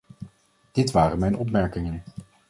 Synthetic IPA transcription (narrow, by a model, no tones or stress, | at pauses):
d̥ɪtʋaːrənmɛjnɔp̬mɛɹkɪŋən